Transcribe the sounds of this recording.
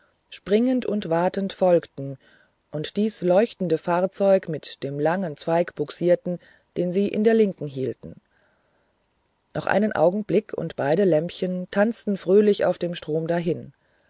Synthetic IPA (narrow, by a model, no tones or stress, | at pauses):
ʃpʁ̥ɪŋəntʊntv̥aɐtəntfɔlktn̩ | ʔʊntd̥iːslɔʏçtn̩dəfaːɐt͡sɔʏkmɪtd̥eːmlaŋənt͡sv̥aɪkb̥ʊksiːɐtn̩ | d̥eːnziːʔɪ̰ndeːɐlɪŋkŋ̩ɦiːltn̩ | nʔɔχʔa̰ɪnənʔa̰ʊɡŋ̩blɪkʰʊ̰ntb̥aɪɾəlɛmpçəntʰant͡stn̩fʁ̥øːlɪça̰ʊfd̥eːmʃtʁ̥oːmdaɦɪn